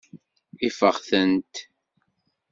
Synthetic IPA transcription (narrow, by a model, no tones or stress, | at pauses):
ifəʁθənt̪